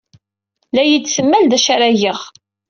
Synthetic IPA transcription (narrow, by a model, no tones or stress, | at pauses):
læjit͡sːsəmːæld̪æʃaɾæʝəʁ